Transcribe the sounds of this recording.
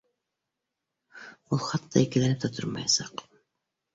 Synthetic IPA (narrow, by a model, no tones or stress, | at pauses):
ulˠχɑt̪ːɑikɘ̆lænɘp̚t̪æt̪ʰoɾmɑ̰jɑsɑq